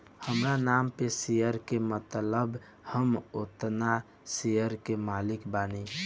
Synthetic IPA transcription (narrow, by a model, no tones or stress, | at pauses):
həmɾanampesijəɾkemət̪ləb | həmot̪na | sijəɾkemalikbani